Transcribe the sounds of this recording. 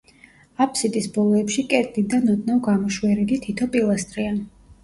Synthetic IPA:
apʰsid̪ʼisbɔlˠɔɛpʃikʼɛt̪ʼlid̪anɔt̪ʼnavɡamɔʃwɛɾilit̪ʰit̪ʰɔpʼilˠast̪ʼɾian

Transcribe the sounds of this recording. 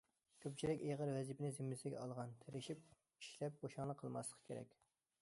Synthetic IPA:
kʲʰøp̚t͡ʃʰilɪkʲeʁəɾwɛzipʰɪnɪzɪmːɪsɪɡʲɛ̰ɑlˠʁɑnt̪ʰeɾɪʃip̚ | i̥ʃlɛp̚boʃɑŋlˠəqʰːəlˠmɑ̰slˠəqʰə̥kʲʰeɾɛ̰kʲ

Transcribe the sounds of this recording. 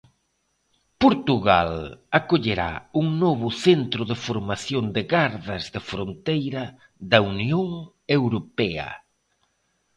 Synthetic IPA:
poɾt̪uɣalakoʎeɾa̰uŋnɔβ̞ʊθent̪ɾʊðɪfoɾmaθjond̪ɪɣaɾðɐzðɪfɾont̪ejɾɐ | ðɐunjoŋ | ewɾopɛɐ̰

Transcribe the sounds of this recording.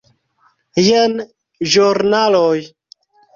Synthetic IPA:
jen | ʒuɾnaloj

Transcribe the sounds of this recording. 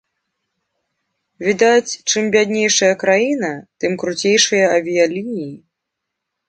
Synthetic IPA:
vʲid̪at͡sʲt͡ʂɨmbʲad̪ʲnʲejʂɐjɐkɾajinɐt̪ɨmkɾut͡sʲejʂɨjɐɐvʲijalʲinʲiji

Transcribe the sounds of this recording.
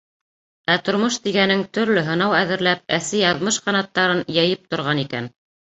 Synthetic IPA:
æt̪ŏɾmoʃt̪iɡænɘŋt̪ɵ̆ɾlɵɦɤ̆nɑwæðɘ̆ɾlæp̚æsɘjɑðmɤʃqɑnɑt̪ːɑɾɤnjæjɘp̚t̪ŏɾʁɑnikæ̰n

